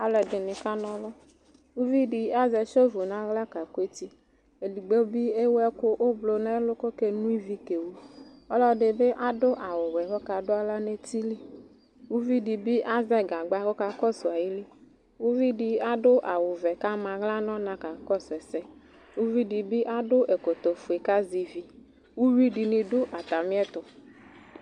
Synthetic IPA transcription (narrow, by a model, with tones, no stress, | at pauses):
a˦lɛ˧dɪ˨nɪ˧ka˦nɔ˧lɔ˦ | u˦vi˦di˧a˦zɛ˧ʃo˦vo˨na˨˦ɣla˦ka˨kʷe˦ti˧ | e˨di˨ɡ͡be˦bi˦e˦wɛ˦kʊ˦ʔʊ˦blo˧nɛ˦lʊ˦ko˦ke˧nu˦i˦vi˦ke˨wu˦ɔ˦lɔ˦dɪ˨bɪ˦ʔa˦dʊ˦ʔa˨wʊ˨wɛ˨kɔ˦ka˧dʊ˦a˦la˦ne˦ti˦li˦ | wu˦vi˦di˨bi˦ʔa˦zɛ˦ɡa˨ɡ͡ba˦kɔ˦ka˨kɔ˦sʊ˨a˨ji˦li˦ | wu˦vi˦di˨a˦dʊ˦ʔa˨wʊ˨vɛ˨ka˦mã˨ɣla˦nɔ̃˦nã˦ka˨kɔ˦sɛ˨sɛ˦ | wu˦vi˦di˨bi˦ʔa˦dʊ˦ʔe˨ko˨t̪o˨fu˨e˨ka˦zi˨vi˦ | wu˦vi˦di˨nĩ˨dʊ˦ʔa˨t̪a˨mi˦ɛ˦t̪ʊ˨